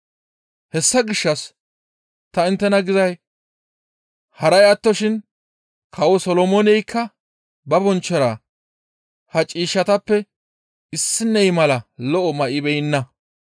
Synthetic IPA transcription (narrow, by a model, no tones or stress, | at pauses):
hɛsːɐɡɪʃːɐs | t̪ɐɪnt̪ːɛnɐɡɪzɐj | hɐɾɐjɐt̪ːɔʃɪn | kʰɐwɔsɔlɔmɔnɛjkʰːɐ | bɐbɔnt͡ʃːɔɾaː | hɐt͡ʃʼiːʃːɐt̪ɐpːɛ | ɪsːɪnːɛjmɐlɐlɔʔɔmɐʔɪbɛjɪnːɐ